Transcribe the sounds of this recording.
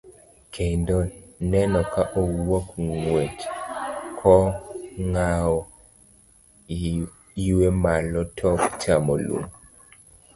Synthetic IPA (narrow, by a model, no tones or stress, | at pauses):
kʰendɔnɛnɔkaʔowokŋwet | kʰɔŋaɔ | i | iwemalɔtʰɔkt͡ʃamolṵm